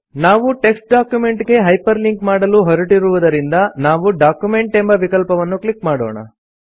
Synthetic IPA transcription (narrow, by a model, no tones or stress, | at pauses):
naːʋuʈe̞ksʈ̚ɖaːkjume̞ɳʈɡe̞ɦɐjpɐɾliŋkmaːɽɐluɦɔɾɐʈiɾuʋud̪ɐɾind̪ɐnaːʋuɖaːkjume̞ɳʈe̞mbɐʋikɐlpɐʋɐnːuklikmaːɽo̰ːɳɐ̰